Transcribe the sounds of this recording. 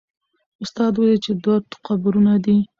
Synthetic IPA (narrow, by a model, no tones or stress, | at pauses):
ʊst̪ɑd̪wajit͡ʃed̪wat̪ʊ̥qabuɾunad̪i